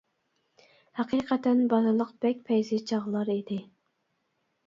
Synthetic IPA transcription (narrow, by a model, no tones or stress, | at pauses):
hæqʰiːqʰɛt̪ʰɛnbɑzɨlˠəqb̥ɛk̚ʲpʰɛjzɪt͡ʃʰɑʁlˠɑɾid̪ɪ